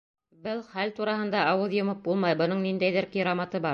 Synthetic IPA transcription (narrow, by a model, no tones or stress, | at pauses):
bɘlˠχælt̪uɾɑhɤ̆nd̪ɑʔɑwɤðjŏmɤp̚bulˠmɑjbɤ̆nɤɴnind̪æjðɘɾkiɾamɑt̪ɤbɑɾ